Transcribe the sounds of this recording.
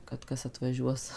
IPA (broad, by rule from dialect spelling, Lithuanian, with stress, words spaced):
kɐt ˈkɐs ɐtʋɐˈʒʲuɔs